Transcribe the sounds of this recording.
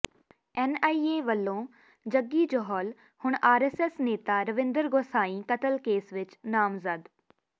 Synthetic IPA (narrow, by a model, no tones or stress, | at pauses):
ɛːnaːieːʋəlːõː | d͡ʒəɡːiːd͡ʒɔɦɔːl | hʊɳ̃aːɾɛsɛsneːt̪aːɾəʋɪ̃nd̪əɾɡoːsaːĩːkət̪əlkeːsʋɪt͡ʃnaːmzəd̪